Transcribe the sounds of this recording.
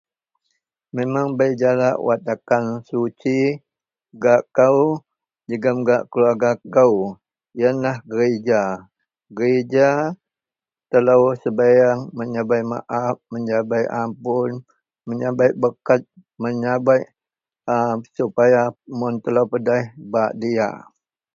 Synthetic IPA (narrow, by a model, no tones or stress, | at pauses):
memaŋbajd͡ʒalaʔwat̪̚akansut͡ʃi | ɡaʔkaw | d͡ʒəɡəmɡaʔkəluarɡakaw | janlahɡəɾed͡ʒa | ɡəɾed͡ʒa | t̪əlawsəbajaŋməɲabajma̰ʔaf̚məɲd͡ʒabajʔampʊn | məɲabajbəkat̪̚ | məɲabaj | əsupajamʊnt̪əlawpədajhbaʔdia̰